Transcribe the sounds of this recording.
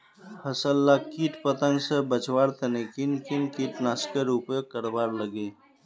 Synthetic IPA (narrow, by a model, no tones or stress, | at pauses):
həsəlːakiːʈpət̪ə̃ŋɡsebət͡ʃwaːɾt̪ʰənekinkinkiːʈnaːskəɾupjokːəɾbaːɾləɡe